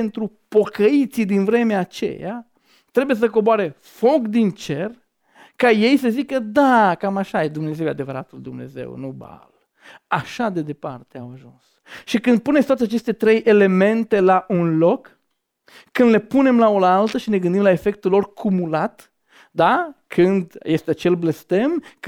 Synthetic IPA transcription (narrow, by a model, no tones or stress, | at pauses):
ent̪ɾu | po̞kəit̪sid̪invɾe̞meaːt͡ʃe̞̰ja̰ | t̪ɾe̞bujes̬əko̞boaɾe̞ | fo̞kd̪int͡ʃe̞r | kaje̞jsəzikəd̪akamaʃajed̪umne̞zewjead̪e̞vəɾat̪uld̪umne̞̰ze̞̰wnuba̰l | aʃad̪e̞d̪e̞part̪eawaʒuns | ʃikɨnd̪̚punesʲt̪wat̪eat͡ʃest̪e̞t̪ɾe̞jʔe̞le̞me̞nt̪e̞laʔunlo̞kː | ɨnd̪le̞pune̞mlao̞lalt̪əʃine̞ɡɨnd̪imlae̞fe̞k̚t̪ulːo̞rkʰumulat̪ | d̪akʰɨnd̪je̞st̪eat͡ʃe̞lble̞st̪e̞m